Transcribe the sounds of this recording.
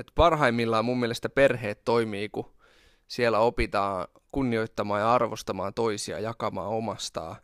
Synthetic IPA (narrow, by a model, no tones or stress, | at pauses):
et̪pɑrɦɑimːilːɑmumːielest̪æperheːt̪toimiːku | sielːæopit̪ɑː | kunːioit̪ːɑmɑːjɑɑrʋost̪ɑmɑːt̪oisiɑ̰jɑkɑmɑ̰ːomɑst̪ɑ̰ː